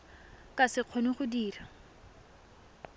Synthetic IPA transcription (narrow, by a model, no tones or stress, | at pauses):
kʼasɪq͡χʰonɪχʊdiːra